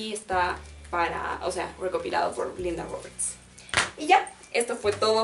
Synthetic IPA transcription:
iest̪apaɾa̰ʔo̰se̞a̰re̞ko̞pila̰ðopo̞̰ɾlĩnd̪a̰roβeɾt̪s | iʝa | e̞st̪o̞fwe̞t̪o̞ðo

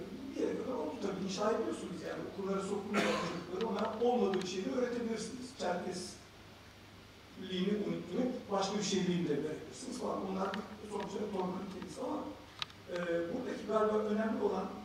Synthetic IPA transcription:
bijeɾɛkad̪aɾont̪ʰut̪ʰabiiʃaːed̪iijo̞sunuzjaːnio̞̰kʰulːˠaɾaso̞kʰumɾak̪ʰanlˠaɾɯonaɾo̞lˠmad̪ɯːbiʃejlʲiɛø̞ːɾe̞t̪ʰebʲilʲiɾsiniz̥t͡ʃʰæɾtʰɛs | lʲːiːniunyt̪ʰːyːnybaʃkʰabiʃejlʲijimilʲɛbeɾecʲilʲiɾsinizfalˠa̰nbunlˠaɾd̪isonseɾt̪ʰo̞ɾmaicʰenisiama | ɛːbuɾd̪acʰibaɾbaʔø̞næmlʲio̞lˠan

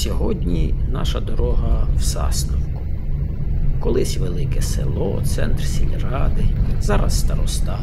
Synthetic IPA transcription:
sʲɔɦɔdʲnʲinɑʃɐd̪ɔɾɔɦɐwsɑ̰snɔwkʊ | kɔlˠɪsʲʋelˠɪkɛsḛlˠɔt̪sɛ̰nt̪rsʲilʲrɑd̪ɪzɑɾɐ̰sːt̪ɐɾɔst̪ɑ

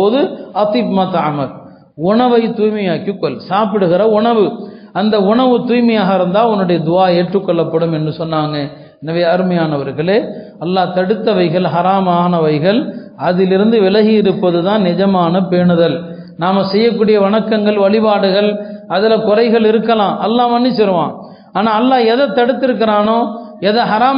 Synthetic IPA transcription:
oːðɯɐt̪iːbmɐt̪ɐɐmɐl | ʊɳɐʋɐɪt̪uːjmɐjaːkːikːɔlsaːpɪɽɯɣɪɾɐʊɳɐʋɯ | ɐnd̪ɐʊɳɐʋɯt̪uːjmɐjaːɣɐɪɾɯnd̪aːɔnːɯɽɐjɐd̪ʊaːeːʈrɯkːɔɭːɐpːɐɽɯmɛndrɯsɔnːaːŋɡɐ | ɛnɐʋeːɐɾɯmɐjaːnɐʋɐɾɣɐɭeː | ɐlːaːt̪ɐɽɯt̪ːɐʋɐɪɣɐɭɦɐɾaːmaːnɐʋɐɪɣɐɭ | ɐðɪlɪɾɯnd̪ɯʋɪlɐɣijɪɾɯpːɐðɯðãːnnɪd͡ʒɐmaːnɐpeːɳɯðɐl | naːmɐsɛjːɐk̬ːuːɽɪjɐʋɐɳɐkːɐŋɡɐɭʋɐɭɪbaːɽɯɣɐɭɐðɪlɐkʊrɐɪɣɐɭɪɾɯkːɐlãːʔɐlːaːmɐnːisɪɾɯʋã̰ː | aːnaːɐlːaːɛðɐt̪ːɐɽɯt̪ːɪɾɯk̬ːɪɾaːnoːɛðɐɦɐɾaːm

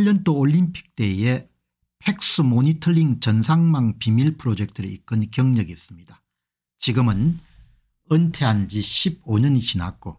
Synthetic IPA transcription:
ʎːʌnt͈ooʎːimpʰi̥k̚t͈e̞je | pʰek̚s͈ɯmoɲitʰʌɾiŋt͡ɕʌnsʰaŋmaŋpimiɭpʰɯɾod͡ʑe̞k̚tʰɯɾeik͈ɯnkjʌŋɲʌɡiis͈ɯmɲida | t͡ɕiɡɯmɯn | ɯntʰe̞and͡ʑiɕʰib̚oɲʌɲit͡ɕinak͈o

